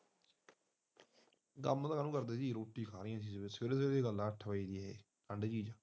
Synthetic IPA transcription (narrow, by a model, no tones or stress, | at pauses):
ɡəmt̪aːkənũːkəɾd̪eːsiːɾoːʈːiːkʰaːɾɪjãːsiːseseːɾseɾd̪eːɡəlːãːʈʰːəʋaːiːd̪ɪaːɦeː | kʰəɳɖd͡ʒiːd͡ʒaː